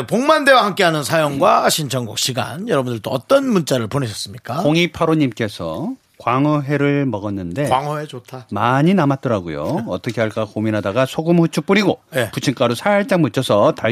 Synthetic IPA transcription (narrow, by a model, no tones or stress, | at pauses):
poŋmande̞wahamk͈e̞ɦanɯnsʰajoŋɡwaɕʰint͡ɕʰʌŋɡuk̚ɕʰiɡa̰njʌɾʌbundɯɭt͈oʌt͈ʌnmunt͡ɕ͈aɾɯɭponeɕʰʌs͈ɯmɲik͈akoŋipʰaɾoɲimk͈e̞sʰʌ | kwaŋʌɦe̞ɾɯɭmʌɡʌnːɯnde̞waŋʌet͡ɕotʰamaɲinamat͈̚ʌɾaɡojo̰ʌt͈ʌkʰe̞ɦaɭk͈akominɦadaɡasʰoɡɯmhɯt͡ɕʰup͈uɾiɡojeput͡ɕʰiŋk͈aɾusʰaaɭt͡ɕ͈aŋmut͡ɕʰʌsʰʌta